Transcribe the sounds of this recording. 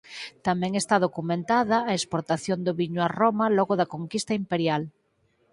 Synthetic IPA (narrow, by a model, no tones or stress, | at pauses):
t̪amẽŋest̪aðokumẽnt̪aðaːespoɾt̪aθjond̪oβiɲoaromaloɣoðakoŋkist̪aimpeɾjal